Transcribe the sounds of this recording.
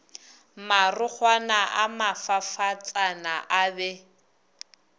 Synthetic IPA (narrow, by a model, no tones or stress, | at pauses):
marʊk͡xʰwanaʔamafafat͡sʼanaʔabɛ